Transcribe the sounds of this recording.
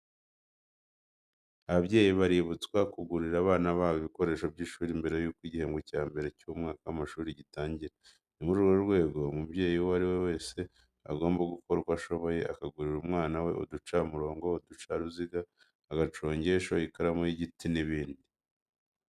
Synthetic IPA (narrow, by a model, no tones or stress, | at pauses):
aβabɟe̞ːjiβaɾiβut͡skwakuɡuɾiɾaβaːnaβaːβiβiko̞ɾe̞ːʃo̞bɟiːʃuːɾimbe̞ɾe̞juːkwiɟihe̞ːŋɡecaːmbe̞ɾe̞cumŋaːkaamaʃuːɾiɟitaːɲɟiɾa | nimuɾuɾɡouɾwe̞ːɡo̞mubje̞ːjiwoaɾiwewe̞ːse̞ | a̰ɡo̞ːmbaɡuko̞ɾukwaʃo̞βo̞je̞ʔa̰kaɡuɾiɾumŋaːnawe̞̰ʔo̰dut͡ʃamuɾo̞ːŋɡo̞odut͡ʃaɾuziɡaː | ɡat͡ʃo̞ːɲɟe̞ʃo̞ikaɾamojiɟitiniβiːndi